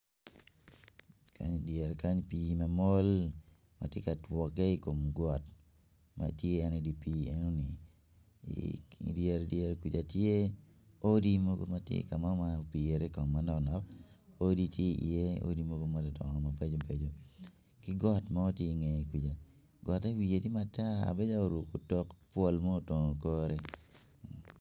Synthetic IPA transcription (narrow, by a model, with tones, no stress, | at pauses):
kʰa̰˦ɲdjɛ˨ɾka˦ɲpi˦ma˨mo˦l | ma̰˨te˦ka˨twɔ˨kɛ˦i˦ko˨mɡwɔ˨t | ma̰˨tjeː˦ni˨di˨pi˨˦ɛ˦nɔ˦nɪ̰˨ | djɛ˦ɾdjɛ˦ɾkwi˨d͡ʒa˨tje˦ | o˦di˦mo˦ɡo̰˦ma˦tjḛ˦˨ka˨ma˦ma˦pi˨e˨ɾe˦kɔ˨mːa˦nɔ˨knɔ˨k̚o˦di˦tje˦ḭ˨e˦o̰˦di˦mo˦ɡo˦ma˦ddɔ̰˨ŋɔ˨ma˨be˦d͡ʒo˦be˨d͡ʒo˦ | kɪ˦ɡɔ˦tma˦o˦tje˦i˨ŋɛ˨kʷi˨d͡ʒa˨ | ɡɔ˨te˦wi˨e˨ti˦ma˦ta˦a̰˨be˦d͡ʒa˦o˨ɾu˨ko˨tɔ˦kpwo˦˨lmɔ˦o˨tɔ˨ŋo˨kɔ˦ɾe˦